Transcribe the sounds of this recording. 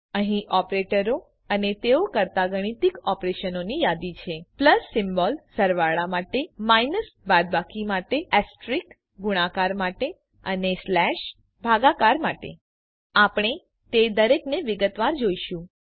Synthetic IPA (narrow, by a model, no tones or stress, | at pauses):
əɦĩʔɔpɾeʈəɾo | ənet̪eokəɾt̪aɡəɽ̃it̪ikɔpɾeʃənonijad̪it͡ʃʰepləsːɪmbɔlsəɾʋaɭamaʈemajnəsbad̪̚bakimaʈeɛsʈɾik | ɡuɽ̃akaɾmaʈe | əneslɛʃ | bʱaɡakaɾmaʈḛ | apɽ̃e | t̪ed̪əɾekneʋɪɡət̪ʋaɾd͡ʒoiʃũ